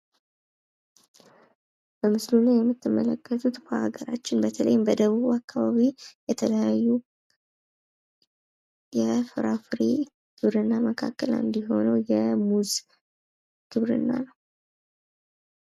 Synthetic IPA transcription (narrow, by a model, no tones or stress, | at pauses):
b̥əmɨslunəjɛmːɨt̪ːɨmːələkʰːət̪ʰut̪kʰohaɡəɾa̰t͡ʃːɪnbət̪ʰələ̰jɪmbəd̪əβuβuakːaβaβijɛt̪ʰələjajːu | jɛfɨɾafɨɾi | kʰɨβɾɨnːaməkʰa̰kːəlɨ̰nd̪iɦo̞nəwjɛmuz | kʰɨβɾɨ̰nːa̰nəw